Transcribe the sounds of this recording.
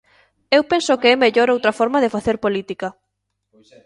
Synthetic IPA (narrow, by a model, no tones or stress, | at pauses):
ewpensokeɛmeʎoɾowt̪ɾɐfɔɾmaðɪfaθeɾpolit̪ikɐ